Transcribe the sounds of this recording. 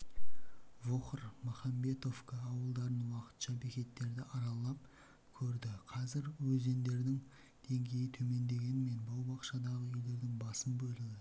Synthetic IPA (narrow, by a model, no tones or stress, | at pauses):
voχəɾmɑχɑmbe̞t̪o̞fkɑːwəlˠd̪ɑɾənwɑqə̥t̪ʃɑbe̞kʲe̞t̪ːe̞ɾd̪ɪʔɑɾɑlˠɑp̚ | kʲʰɵɾd̪ɪqʰɑzɪɾwɵze̞nd̪e̞ɾd̪ɪŋ | d̪̥e̞ŋɡʲe̞jɪt̪ʰɵme̞nd̪e̞ɡʲe̞nɪme̞nbɑwbɑqʃɑd̪ɑʁəje̞ld̪e̞ɾd̪ɪŋbɑsənbɵlɪɡʲɪ